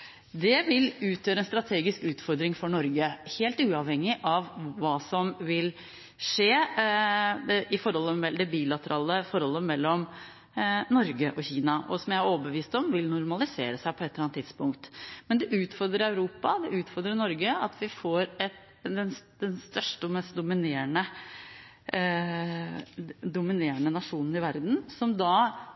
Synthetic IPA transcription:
d̪ɛʋɪlʉːt̪ʰjøːɾəɛnst̪ɾɑt̪ʰeːɡɪskʉːt̪fɔɾd̪ɾɪŋfɔɳɔɾɡəheːlt̪ʉːɑʋhɛŋːɪʔɑʋːɑːsɔmʋɪl | ʂeː | d̪ɛʔɪfɔɾhɔlːəmɛd̪ɛbiːlɑt̪əɾɑːləfɔɾhɔlːəmɛlːɔm | nɔɾɡəʔɔçiːnɑʔɔ̰sɔmjæɪhæɾoːbəʋiːst̪ɔmʋɪlnʊɾmɑlɪsḛːɾəsæɪpʰɔɛt̪ːəlɑnt̪ːɪd̪̥spʊŋkt̪mɛnd̪ɛʔʉːt̪fɔɾd̪ɾəɾæʉɾuːpɑd̪ɛʔʉːt̪fɔɾd̪ɾənɔɾɡəɑt̪ʰʋɪfoːɾɛt̪ | d̪ɛnsd̪ɛnst̪œʂʈəɔmɛst̪̚d̪ʊmɪneːɾəɳə | d̪ʊmɪneːɾəɳənɑʂuːnən̩ɪʋæɾd̪n̩sɔmd̪ɑ

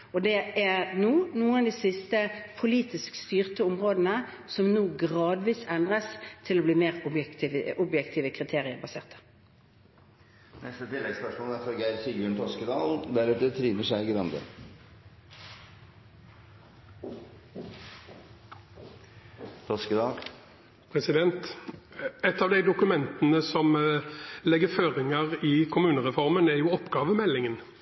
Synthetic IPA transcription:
ɔd̪ɛæʁnuːnuːənd̪ɛːsɪst̪əpʰʊliːt̪ɪskst̪yːʁt̪əʊmʁoːd̪nə | sɔmnuːɡʁɑːd̪ʋiːsɛnd̪ʁəst̪ʰɪlɔbliːmeːʁʊbjɛkt̪ɪʔʊbjɛkt̪ʰiːʋəkʰʁɪt̪ʰeːʁɪəʁbɑsḛːʁt̪ə̥ | nɛst̪ət̪ʰɪlːɛɡspœʂmoːləæfɔɾɡæɪɾçiɡʉːɳt̪ʰɔskəd̪ɑːlnd̪æɾʉːt̪ət̪ʰɾiːnəʂæɪɡɾɑnd̪ə̰ | t̪ʰɔskəd̪ɑːl | pʰʁɛsɪd̪ɛnt̪ | ɛt̪ːɑːʋd̪æɪd̪ʊkʉmɛnt̪ənəsɔm | lɛɡːəføːʁɪŋəʁɪkʰʊmʉːnəʁɛfɔʁmənæɾjʊːɔpːɡɑːʋəmɛlːɪŋən

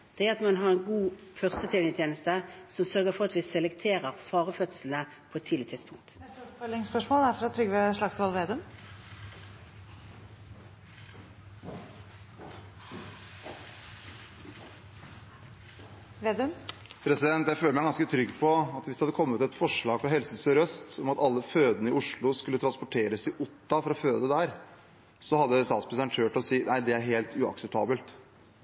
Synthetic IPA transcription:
d̪̥ɛæɾɑt̪mɑnɦɑʁɛnɡuːfœʁst̪ət̪ʰɪlɪt̪ʰjeːnəst̪əsɔmsœʁɡəfɔʁɑt̪ʋɪsɛlɛkt̪ʰeːʁəʁfɑːʁəfœt̪sl̩nə | pʰɔɛt̪ʰːiːɪət̪ɪd̪spʰʊŋkt̪ɛt̪ɔpfœlːɪŋspœʂmoːlæɾfɾɑt̪ʰɾʏɡəʋɛʂɭɑɡsʋɑlʋeːd̪ʉm | ʋed̪əpʰɾɛsɪd̪ɛnt̪jæɪføːləmæɪɡɑnskət̪ʰɾʏɡpʰɔɑt̪ʋɪsd̪ɛhɑd̪ːəkʰɔmːət̪ɛt̪fɔʂɭɑːɡfɾɑɦɛlsəsɔɾœst̪ɔmɑt̪ɑlːəføːd̪ənəɪʊʂɭʊskʉlːət̪ʰɾɑnspɔʈʰeːɾəsɪʔʊt̪ːɑfɔɾɔføːd̪əd̪æɾ | sɔhɑd̪ːəst̪ɑːt̪spɾɛsæɳʈʰøːʈɔsiːnʔæɪd̪ɛæɾɦeːlt̪ʰʉɑ̰ksɛp̚t̪ʰɑ̰ːbəlt̪

